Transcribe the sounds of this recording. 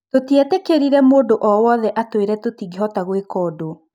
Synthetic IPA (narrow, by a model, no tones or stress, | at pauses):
totiɛtɛkeɾiɾɛmoːdoʔɔwɔðɛʔatweɾɛtotiɣiɦɔtaɣwekɔːdo